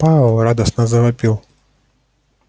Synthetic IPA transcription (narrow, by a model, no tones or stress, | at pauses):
palˠrad̪ɐsnɐzɐvapʲilˠ